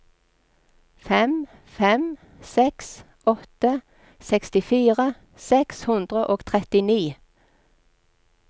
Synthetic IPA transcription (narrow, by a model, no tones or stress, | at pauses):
fɛm | fɛm | sɛks | ʔɔt̪ə | sɛkst̪ɪfiːʁə | sɛkshʉnd̪ʁəʔoːɡ̥t̪ʰʁɛt̪ɪniː